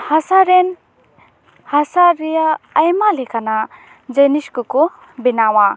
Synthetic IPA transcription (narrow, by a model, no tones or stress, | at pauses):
hasaɾen | hasaɾijaːjmalekʰana | d͡ʒəniskuku | binawa